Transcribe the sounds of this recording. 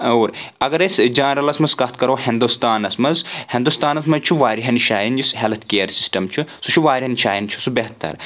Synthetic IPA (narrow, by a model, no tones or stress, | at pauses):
oːɾɐɡɐɾɐsd͡ʒaːnɾɐlɐsmɐskɐt̪kɐɾoːɦind̪ust̪aːnɐsmɐzhĩnd̪ust̪aːnɐsmɐzt͡ʃʰuʋaːɾiɦɐnʃaːjind͡ʒisɦelɐt̪ʰkeːɾsi̥sʈɐmt͡ʃʰusut͡ʃʰuʋaːɾʲiɦɐnʃaːjint͡ʃʰu̥subeɦt̪ʰːɐ̰ɾ